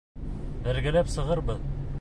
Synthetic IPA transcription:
bæɾɡæ̆læpsɤ̆ʁɤɾbɤð

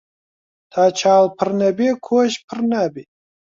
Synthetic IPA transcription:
t̪ʰaːt͡ʃʰaːlpʰəɾnabekʰoːɕpʰəɾnabi

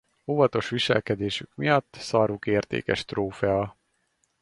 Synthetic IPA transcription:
oːvɒt̪o̞ʃʋiʃɛ̰lkɛd̪eːʃykmijɒt̪ːsɑːɾukeːrt̪ḛːkɛʃt̪roːfɛɒ

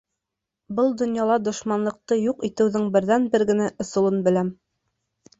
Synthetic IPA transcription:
bɤlˠd̪ŏnjɑlˠɑd̪ŏʃmɑnlˠɤ̆q̚t̪ɤjuqit̪ɘ̆wðɘŋbɘ̆ɾðænbɘɾɡɘ̆næʔŏsŏlˠɤnbɘ̆læm

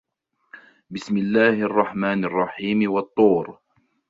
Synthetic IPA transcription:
bɪsmɪlːaːhʔɑrˤːɑħmaːnɑrˤːɑħiːmwɑt̪ˤːuːɾ

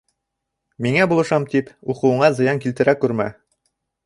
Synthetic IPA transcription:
miŋæbulˠɤ̆ʃɑmt̪ipuqɤ̆wɤ̆ɴɑzɤ̆jɑŋkilt̪ɘ̆ɾækʉɾmæ̰

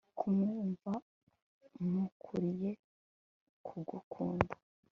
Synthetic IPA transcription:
kʰumeːɱva | mukʰuɾije̞ | kʰuɡukʰuːndḁ

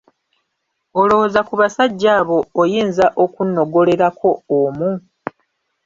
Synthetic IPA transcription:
o̞lo̞hozakuβasaɟːaːβo̞ːjiːnzaʔo̞kunːo̞ɡo̞le̞ɾakʰo̞ːmu

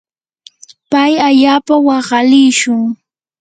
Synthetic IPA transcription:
pajaʎaːpawɑɢɑlɪjʃʊŋ

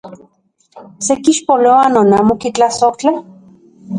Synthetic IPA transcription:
sekiʃpoloanonaːmokit͡ɬasoht͡ɬa

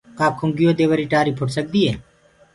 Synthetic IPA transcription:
kaːkʰʊŋɡɪjoːd̪eːʋəɾiːʈaːɾiːpʰʊʈsək̚d̪iːḛː

